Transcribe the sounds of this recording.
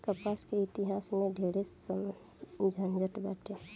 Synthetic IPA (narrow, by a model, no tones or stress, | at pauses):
kəpaːskeɪt̪iɦaːsmẽɖʱeɽe | d͡ʒʱənd͡ʒəʈbɛːʈʰe